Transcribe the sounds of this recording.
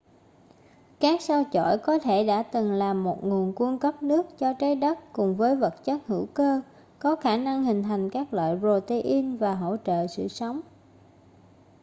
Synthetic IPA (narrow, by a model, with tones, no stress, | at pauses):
kaː˦˥k̚sa˧wt͡ɕo̰˧˩˨jkɔ˨˦t̪ʰe˧˩ɗa̰ː˧˥t̪ɨ˨˩ŋlaː˨˩mːo˨˩t̚ŋu˨˩ənku˧nkə˦˥p̚nɨ˦˥ək̚t͡ɕɔ˧t͡ɕa˨˦jɗə˦˥t̚kʊ˨˩ŋ͡mvəː˨˦jvə˨˩t̚t͡ɕə˦˥t̚hɨ̰˧˩˥wkəː˧ | kɔ˨˦xaː˧˩na˧ŋɦï˨˩ŋ̟t̪ʰa˨˩jŋ̟kaː˦˥k̚lwa̰ː˧˨jzo˨˩t̪e˧ʔi˧nvaː˨˩ɦo̰˧˥t͡ɕə̰ː˧˨sɨ̰˧˨sə˨˦wŋ͡m